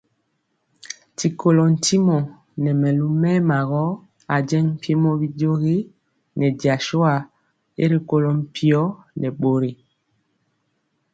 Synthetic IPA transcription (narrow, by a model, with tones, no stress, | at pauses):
ti˨ko˨lɔ˨n̩˨ti˦mɔ˨ | nɛ˨mɛ˨lu˦mɛ˦ma˨ɣɔ˦ | a˨d͡ʒɛ˦ŋm̩˦pjmɔ˦βi˦do˦ɣi˦ | nɛ˨di˨a˨ʃo˦a˨ | e˦ɾi˨ko˨lɔ˨m̩˦pʰi˦ɔ˦nɛ˨ɓo˨ɾe˨